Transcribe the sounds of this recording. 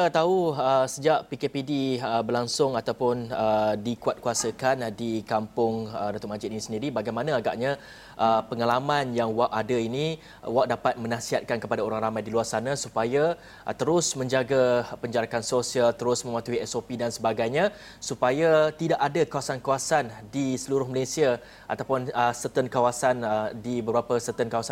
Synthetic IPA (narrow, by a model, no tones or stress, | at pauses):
t̪aɦuəsəd͡ʒaʔpikepidiəbərlaŋsʊŋat̪awpʊnədikuat̪̚kuasəkandikampʊŋədant̪ʊʔmad͡ʒɪt̪inisəndiɾibaɡajmanãaɡaʔɲa | ʔəpəŋalamãnjaŋwaʔadainĩ | waʔ̚dapat̪̚mə̃nãsiɦat̪̚kankəpadaoɾaŋramajdiluarsanãsupaja | t̪əɾʊsmə̃ɲd͡ʒaɡapəɲd͡ʒaɾakansosialt̪əɾʊsmə̃mwat̪uiɛsopidansəbaɡajɲã | supajat̪idaʔadakawasankawasandisəluɾʊhməlesia | ʔat̪apʊnəsət̪ənkawasandibəbɾapəsət̪ənkawasa